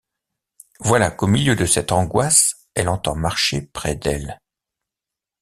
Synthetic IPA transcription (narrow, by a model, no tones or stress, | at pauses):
vwalakomiljød̪əsɛt̪ɑ̃ɡwas | ɛlɑ̃t̪ɑ̃maʁʃepχɛd̪ɛl